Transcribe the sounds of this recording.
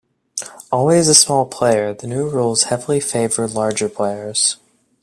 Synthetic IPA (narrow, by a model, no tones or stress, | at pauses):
ɔlˠwizəsmɔlˠpʰl̥eɪə˞ðɨnʉɹulˠz̥hɛvl̩ˠifeɪvə˞lɑɹd͡ʒə˞pʰl̥eɪə˞z̥